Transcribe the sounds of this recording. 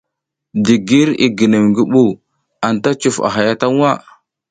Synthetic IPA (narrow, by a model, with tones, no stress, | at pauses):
di˨ɡi˦ɾḭ˨ɡi˨nə˨mɡi˦ɓu˦ | a˨nta˦t͡ʃu˨fa̰˨ɦa˨ja˦ta˦ŋwa˦˨